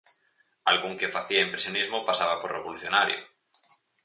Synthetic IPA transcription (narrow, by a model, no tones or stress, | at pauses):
alɣuŋkefaθiaimpɾesjonizmopasaβaporeβ̞oluθjo̞naɾjo̰